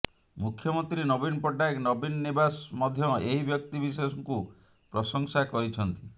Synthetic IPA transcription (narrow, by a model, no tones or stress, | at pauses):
mukʰːjɔmɔnt̪ɾinɔbinɔpɔʈaknɔbinɔnibasmɔd̪ʱjɔeɦibjɔkt̪ibis̬eɔsɔŋku | pɾɔsɔŋsakɔɾit͡ʃʰɔnt̪i